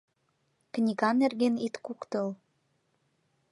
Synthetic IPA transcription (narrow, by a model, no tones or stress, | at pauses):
knʲiɣɑnerɣenit̪kukt̪ɤl